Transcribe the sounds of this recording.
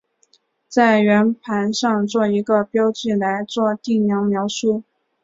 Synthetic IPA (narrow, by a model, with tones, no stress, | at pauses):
t͡sa˥˩ɪɥɛ˧˥npʰa˧˥nʂɑ˥˧ŋt͡swɔ˥˩i˧˥ɡə˧pjɑ˥ʊt͡ɕy˥˩la˧˥ɪt͡swɔ˥˧t̪i˥˩njɑ˧˥ŋmjɑ˧˥ʊʂu˥˩